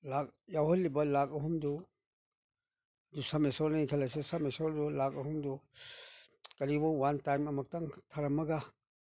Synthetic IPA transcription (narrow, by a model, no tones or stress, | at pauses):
lak̚jawhɔlːibɐlakɐɦumdu | dusamesɔɾnakʰalasesamesɔɾdulakɐɦumdu | kɐɾibɔwantajmɐmɐk̚taŋtʰaɾɐmɐɡa